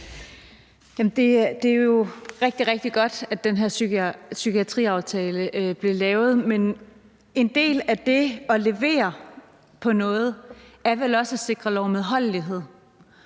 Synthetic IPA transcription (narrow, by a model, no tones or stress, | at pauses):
jæmm̩d̥e̝d̥e̝æjo̝ʁeɡ̥̚d̥iʁeɡ̥̚d̥iɡ̥ɒ̽d̥æd̥enɦeɐ̰sysykiæt͡sʰʁḭːɑ̈ʊt͡sʰɛːləʔb̥lilɛːʊð̩ˠmen | e̝nd̥e̝̰ːlæd̥e̝ɒ̽le̝ʋe̝̰ːɐ | pʰɒ̽nɔ̽ːð̞̩ˠæɐʋelɒ̽səse̝ɡ̥ʁɐlɒʊmeðˠɦɒ̽l̰liɦe̝ð̰ˠ